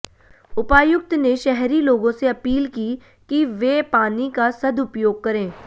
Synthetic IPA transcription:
ʊpaːjʊk̚t̪neʃɛɦɾiloːɡõseɐpiːlki | kiʋeːpaːnikasɐd̪ʊpjoːɡ̚kɐɾẽː

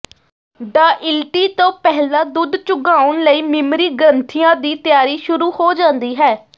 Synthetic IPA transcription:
ɖaːʔɪlʈiːt̪õːpɛɦlaːd̪ʊd̪t͡ʃʊɡaːʊɳləiːmɪmɾiːɡəɾənt̪ʰijãːd̪iːt̪jaːɾiːʃʊɾuːhoːd͡ʒãːnd̪iːɦɛː

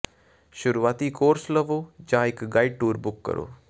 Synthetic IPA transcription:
ʃʊɾuːaːt̪iːkoːɾsləʋoːd͡ʒãːɪkɡaːɪɖ̚ʈuːɾbʊkːə̰ɾo̰ː

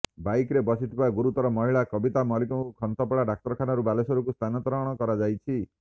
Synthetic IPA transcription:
bajkɾebɔsit̪ʰipaɡuɾut̪ɔɾɔmɔɦiɭakɔbit̪amɔlikɔŋkukʰɔnt̪ɔpɔɭaɖak̚t̪ɔɾɔkʰanɔɾubalesɔɾukust̪ʰanɔt̪ɔɾɔɽ̃ɔkɔɾad͡ʒajt͡ʃʰi

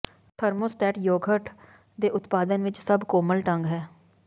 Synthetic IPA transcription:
t̪ʰəɾmoːsʈɛːʈjoːɡʱəʈ | d̪eːʔʊt̪paːd̪ənʋɪt͡ʃsəbkoːməlʈə̃ŋɡɦɛː

